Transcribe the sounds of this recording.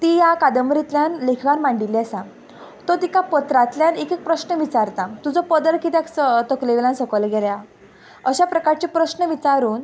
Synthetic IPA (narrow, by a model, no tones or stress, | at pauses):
t̪ijakad̪əmɾit̪ljanlekʰɡanmaɳɖilːesã | t̪ɔt̪ikapət̪ɾat̪ljanekek̚pɾəɕnəʋit͡saɾt̪at̪ud͡zɔpəd̪əɭkit̪jaksət̪əkleʋelãnsəkəlɡelja | əɕapɾəkaɾt͡ɕipɾəɕnəʋit͡saɾuːn